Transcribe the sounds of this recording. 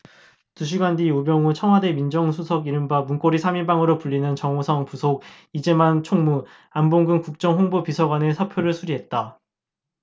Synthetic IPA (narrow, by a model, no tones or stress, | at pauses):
tuɕʰiɡandiobjʌŋut͡ɕʰʌŋɦwade̞mind͡ʑʌŋsʰusʰʌɡiɾɯmbamunk͈oɾisʰamibaŋɯɾopuʎːinɯnt͡ɕʌŋosʰʌŋpusʰoɡ̚ | id͡ʑe̞mant͡ɕʰoŋmu | amboŋɡɯŋkuk̚t͡ɕ͈ʌŋɸoŋbupisʰʌɡwane̞sʰapʰjoɾɯɭsʰuɾiɦe̞t̚t͈a